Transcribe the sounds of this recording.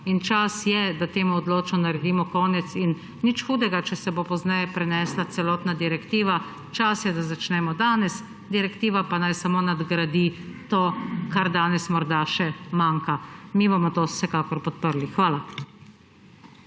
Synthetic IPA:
int͡ʃasjɛd̪at̪eːmuɔd̪loːt͡ʃnɔnaɾɛd̪iːmɔkɔːnɛt̪sinː | it͡ʃxuːd̪ɛɡat͡ʃɛsɛbopɔznɛjɛpɾɛnɛslat̪sɛlɔːt̪nad̪iɾɛkt̪iːʋa | t͡ʃasjɛd̪azat͡ʃnɛmɔd̪aːnɛs | d̪iɾɛkt̪iːʋapanajsamoːnad̪ɡɾad̪it̪oːkaɾd̪aːnɛsmɔɾd̪aʃɛmaŋkamibomɔt̪o̥sɛkaːkɔɾpɔt̪̚pəɾlixʋaːla

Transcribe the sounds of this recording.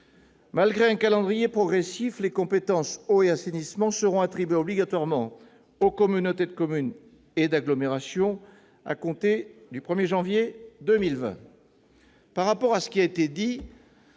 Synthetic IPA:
malɡʁeɛ̃kalɑ̃d̪ʁijepχɔɡʁesiflekɔ̃pet̪ɑ̃soeasenismɑ̃səʁɔ̃at̪χibɥeɔbliɡat̪waʁmɑ̃ | okɔmynot̪ed̪əkɔmyn | ed̪aɡlɔmeʁasjɔ̃ | a̰kɔ̃t̪ed̪ypχəmjeʒɑ̃vjed̪ømilvɛ̰̃ | paʁapɔʁasə̥kʲiaet̪ed̪i

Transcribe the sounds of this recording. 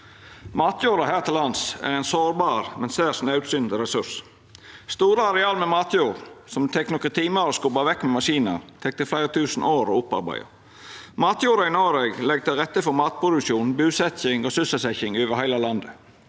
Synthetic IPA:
mɑːt̪juːɾɑɦæːʁt̪ʰɪlːɑnsæ̰ɾæɪnsoːɾbɑːɾmɛnseːsnɑʉt̪sʏnd̪əɾɛsʉs | st̪uːɾəɑɾɛɑːlmɛmɑːt̪juːɾsɔmt̪ʰɛknɔkət̪ʰiːmɑɾəskʊbɑʋɛkːmɛmɑʃiːnə̰ɾt̪ʰɛk̚t̪əflæɪɾət̪ʰʉːsn̩ʔoːɾo̰ʊpːɑ̰ɾbæ̰ɪə̰ | mɑːt̪juːɾɑɪnoːɾɛɡlɛɡ̚t̪ʰɪlʁɛt̪ːəfɔɾmɑːt̪̚pʰɾʊd̪ʉkʃuːn̩bʉːsɛçɪŋoːsʉsəsɛçɪŋøːʋəhæɪlɑlɑnd̪ə

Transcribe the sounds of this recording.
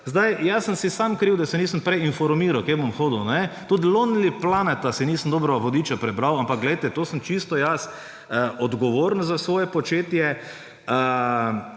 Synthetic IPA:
zd̪ajjasənsisamkɾiwd̪asɛniːsəmpɾɛjinfɔɾmiːɾawkebomxoːd̪əwnɛt̪ud̪lonliplanɛt̪asiniːsəmd̪oːbɾɔʋɐʋod̪iːt͡ʃapɾɛbɾawampɐkɡlɛjt̪ɛt̪oːsəmt͡ʃist̪ɔjas | ɔd̪ɡɔʋoːɾnzasʋoːjɛpɔt͡ʃeːt̪jɛ | ə

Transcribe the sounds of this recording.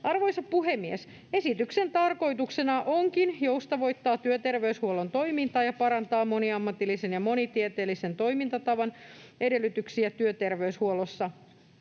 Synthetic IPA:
ɑrʋojsɑppːuɦemːies | e̞sit̪yksent̪ɑrko̞jt̪uksenɑʔoŋkinjowst̪ɑʋo̞jt̪ːɑːt̪yøt̪erʋeyshuolont̪o̞imint̪ɑːjɑpɑɾɑnt̪ɑːmo̞niɑmːɑt̪ilːisenjɑmo̞nit̪iet̪eːlːisent̪o̞imint̪ɑt̪ɑʋɑnʔe̞de̞lˑːyt̪yksiæt̪yøt̪erʋeyshuolːosːɑ

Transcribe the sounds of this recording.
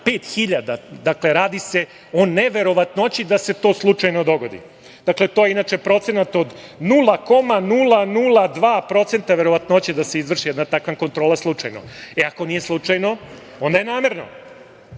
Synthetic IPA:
peːt̪xiʎad̪ad̪akle̞ɾaːd̪ise̞ | o̞neʋe̞ɾo̞ʋat̪noot͡ɕid̪ase̞t̪o̞ːslˠut͡ʂajno̞d̪o̞ɡo̞d̪ḭ | d̪̥akle̞t̪oːjeinaːt͡ʃe̞pɾo̞t̪se̞nat̪o̞d̪nulˠako̞manulˠanulˠad̪ʋaːpɾo̞t̪se̞nt̪aʋe̞ɾoʋat̪noot͡ɕed̪aseizʋr̩ʃijɛd̪nat̪akʋanko̞nt̪ɾo̞ːlˠaslˠut͡ʂa̰jnoeako̞nije̞slˠut͡ʂajno̞ | o̞nd̪ajenaːmeɾno̰

